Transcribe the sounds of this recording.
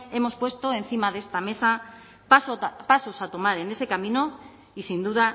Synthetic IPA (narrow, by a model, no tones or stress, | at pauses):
e̞mo̞spwe̞st̪o̞e̞nθimaðe̞st̪ame̞sa | pspaso̞sat̪o̞maɾe̞ne̞se̞kamĩno̞ | isind̪uða